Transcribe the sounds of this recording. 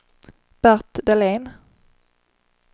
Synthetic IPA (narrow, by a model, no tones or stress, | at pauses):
b̥æʁt̪d̪ɛleːn